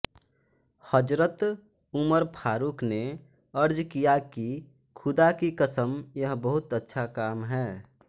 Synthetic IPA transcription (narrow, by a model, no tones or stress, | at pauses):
həd͡ʒɾət̪ | ʊməɾpʰaːɾukne | əɾd͡ʒkijaki | kʰʊd̪akikəsəmjəɦbəɦʊt̪ətːʃʰakaːmɦɛː